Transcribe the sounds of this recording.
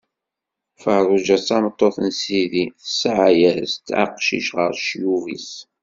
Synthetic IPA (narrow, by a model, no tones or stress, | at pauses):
fəɾˤʊʒæt͡sːɑmət̪ˤːoθənsiðiθəsʕajæɾst̪ːa̰qʃḭʃʁəɾʃjuvḭs